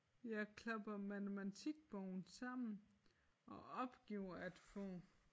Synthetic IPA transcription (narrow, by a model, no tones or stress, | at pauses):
jɑ̈ɪkʰlɑb̥ɐmænemæt͡sʰiɡ̥̚b̥ɔʊn̩sɑ̈m̰n̩ | ɒ̽ɒ̽b̥ɡ̥iʊ̰ɐæd̥fɔ̰̽ː